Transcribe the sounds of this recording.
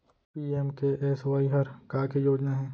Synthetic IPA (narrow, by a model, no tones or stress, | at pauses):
piːeːmkeʔɛːsʋaːiɦɐɾkaːkejoːd͡ʒnaɦɛ̃ː